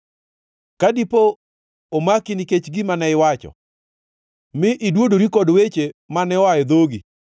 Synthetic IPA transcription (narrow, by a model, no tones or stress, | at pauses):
kadipoː | makɪniket͡ʃɡimanɛɪwat͡ʃɔ̰ | mɪʔɪdwodoɾikɔdwet͡ʃemanɛwajɛd̪oɡi